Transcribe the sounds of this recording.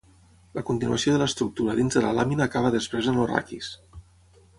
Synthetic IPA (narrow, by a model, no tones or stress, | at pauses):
ləkunt̪inuəsioðələst̪ɾuk̚t̪uɾəðinzðələ̰laminəːkaβ̞əðəspɾezənora̰kis